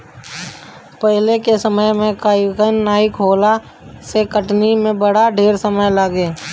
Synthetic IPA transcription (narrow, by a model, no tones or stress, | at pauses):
pəɦlekesəməjmẽkaːkənːaːɪkɦoːla | sekəʈnimẽbəɽaɖʱeːɾsəməjlaɡeː